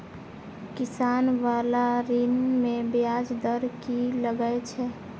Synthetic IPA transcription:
kisanʋalaɾinmebjad͡ʒd̪əɾkiləɡət͡ʃʰɛ

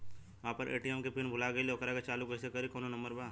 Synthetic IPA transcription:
ʋãːpɐɾʔḛːʈiɛmkepɪnbʱʊlaɡɐileɐkɾaket͡ʃaːlukɛsekɐɾikɔːnõnɐ̃mbəɾbaː

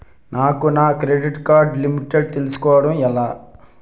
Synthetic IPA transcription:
naːkunaːkɾeɖiʈkaːɾɖlimiʈeɖ̚t̪elusu̥kɔːʋɐɽɐmɛlaː

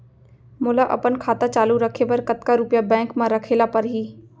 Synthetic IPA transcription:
mʊlaʔɐ̰pənkʰaːt̪at͡ʃaːluɾəkʰepɐɾkət̪kaɾʊpjabɛ̃ːŋkmãɾəkʰeːlapɐɾɦiː

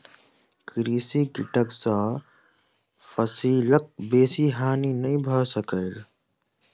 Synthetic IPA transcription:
kɾiːsikɪʈəksɔ̃ | pʰəsiːlək̚beːsiɦaːninəĩbʱəsəkəɪl

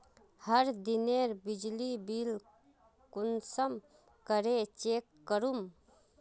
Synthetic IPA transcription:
həɾd̪ɪneɾbɪd͡ʒlibil | kʊnsəm | kəɾet͡ʃeːkːəɾum

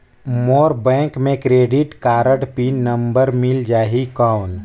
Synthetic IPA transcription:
moːɾbɛ̃ːŋkmẽkɾeːɖɪʈkaːɾəʈpiːnːɐ̃mbəɾmɪld͡ʒaːɦikaːn

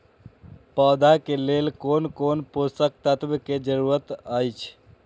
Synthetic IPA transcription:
pəd̪akelelkoːnkonposək̚t̪ət̪bked͡ʒəɾuɾət̪əjt͡ʃʰ

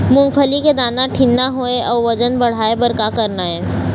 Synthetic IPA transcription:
mʊ̃ŋɡpʰəliked̪aːnaʈʰinːaɦoeʔɔːɾʋɐd͡ʒənbɐɽ̤aːebəɾkakəɾnaɦɛː

